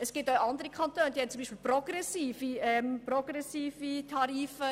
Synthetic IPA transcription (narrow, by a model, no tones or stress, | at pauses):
əsɡ̥ɪːtoʊʔɑnd̪əɾikʰχɑntøːnəd̥̪iːhɛnt͡sumbiːʃpɪːlprɔɡ̥ɾɛsiːfiɛmpɾɔɡ̥ɾɛsiːfitʰɑɾiːfə